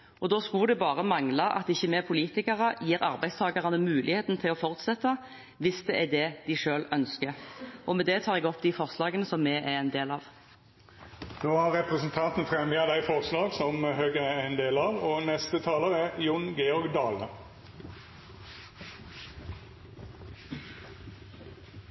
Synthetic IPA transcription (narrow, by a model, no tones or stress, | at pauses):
ʔɔd̪oːskʉd̪ɛbɑːʁəmɑŋlɑʔɑ̰t̪ɪçːəmeːpʰʊliːt̪ɪkəʁəjiːɾɑ̰ʁbæɪst̪ʰɑːɡɑʁɑnəmʉːlʔɪheːt̪n̩t̪ʰɪlɔfɔʁt̪sɛt̪ːə | ʋɪsd̪ɛʔæd̪ɛd̪ɪʂøːlœnskəʁʔɔmɛd̪ɛt̪ʰɑːʁɛɡɔpːd̪ifɔʁslɑːɡənəsɔmːɛʔæɾɛɪnd̪eːlɑʋ | d̪oːhɑɾɾɛpʁəsnt̪ʰɑnt̪n̩fɾɛmjɑd̪æɪfɔʁslɑːɡsɔmhøːɡəæɪnd̪eːlɑʋɔnɛst̪ət̪ʰɑːləʁæjʊnɡeːɔɾɡd̪ɑːlə